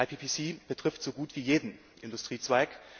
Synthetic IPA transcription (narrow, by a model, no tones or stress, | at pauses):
aɪpʰiːpʰisiːb̥ətʁ̥ɪftz̥oːɡuːtv̥iːjeːdn̩ | ʔɪndustʁ̥iːt͡sv̥aɪk